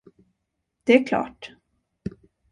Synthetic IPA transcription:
d̪̥ɛæɾkʰlɑ̰ːʈ

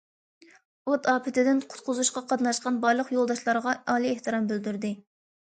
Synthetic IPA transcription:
ot̪ɑːpʰɪt̪ʰɪd̪ɪnqʰʊ̥t̪qʰʊzuʃqɑqʰɑt̪nɑʃqɑnbɑɾlˠəqjolˠd̪ɑʃlˠɑɾʁɑɑːlˠieht̪ɨɾɑmbyld̪yɾd̪ɪ

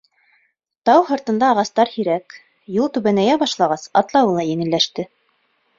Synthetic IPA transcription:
t̪ɑwhŏɾt̪ɤ̆nd̪ɑːʁɑst̪ɑɾhiɾæk | julˠt̪ʉβænæjæbɑʃlˠɑʁɑsɑt̪lˠɑwɤlˠɑjɘ̆ŋɘ̆lːæʃt̪ɘ

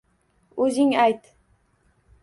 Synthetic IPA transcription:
ɵzɪŋajt̪

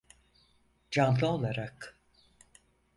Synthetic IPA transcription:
d͡ʒanlˠɯo̞lˠaɾak

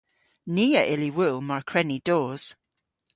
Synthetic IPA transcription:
niːəʔɪliwʊlˠmaɹkʰɹɛnid̥oːz̥

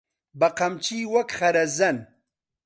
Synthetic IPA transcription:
baqamt͡ʃiwakχaɾazan

